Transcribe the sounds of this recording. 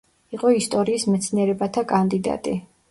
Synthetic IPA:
iqʼɔist̪ʼɔɾiːsmɛt̪sʰniɛɾɛbat̪ʰakʼand̪id̪a̰t̪ʼi

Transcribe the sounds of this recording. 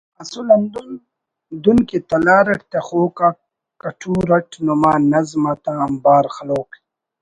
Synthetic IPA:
ɐsulɐnd̪u | d̪unkit̪ɐlaːɾɐʈt̪exoːka | kɐʈʰuːɾɐʈʰnomaːnɐzmɐt̪aɐmbaːɾxɐloːk

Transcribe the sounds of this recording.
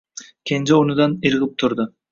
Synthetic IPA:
kʲʰend͡ʒeonud̪ɑniɾɯʁɯp̚t̪ʰʊɾd̪ʊ

